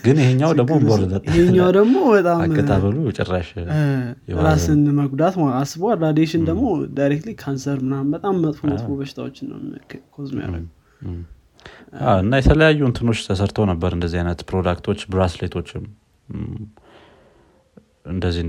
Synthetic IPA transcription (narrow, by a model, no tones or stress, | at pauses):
ɡɨnjɪheɲːad̪əɡmoboɾd̪ət̪ʼɪheɲːawd̪əɡmo̞bət̪ʼaamkːət̪ʰaβəlujɛt͡ʃʼɛ̰rːaʃ | jɛɾasɨnməɡd̪at̪maasɨbwalɾad̪eʃɪnd̪əɡmo̞d̪ajɾek̚t̪likʰansəɾmɨnambət̪ʼamːət̪ʼfomət̪ʼfobəʃɪ̥t̪ʰawot͡ʃːɪnːə̰wkʰozmo̰ja̰ɾɾə̰ɡu | aɨnːajɛt̪ʰələjajːunt̪ʰɨno̞t͡ʃːt̪ʰəsəɾt̪ʰəwnəbːəɾɨnd̪əzːihajnət̪pʰɾod̪akt̪ʰo̞t͡ʃːbɾaslet̪ʰo̞t͡ʃːɪm | ɨnd̪əzːih